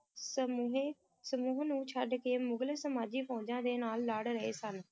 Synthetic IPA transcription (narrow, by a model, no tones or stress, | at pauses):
səmːɦeː | səmuːɦnũːt͡ʃʰəɖkeːmʊɡlesəmaːd͡ʒiːpʰɔ̃ːd͡ʒãːd̪eːnaːlːaːɽɾəḛːsən